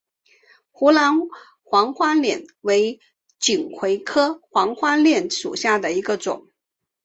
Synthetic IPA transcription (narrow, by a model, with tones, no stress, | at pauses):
xu˧˥lɑ˧˥n | xwɑ˧˥ŋxwa˥ljɛ˨˩nwe˧˥ɪ | t͡ɕi˨˩ŋkʰwe˧˥ɪkʰɤ˥xwɑ˧˥ŋxwa˥ljɛ˥˩nʂṵ˨˩ɕja˥˩d̪ə˩i˧˥ɡə˧ʈ͡ʂʊ̰˨˩˦ŋ